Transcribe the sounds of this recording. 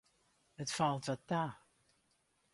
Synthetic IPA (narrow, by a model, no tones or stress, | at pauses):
ətfalˠtvɔtːa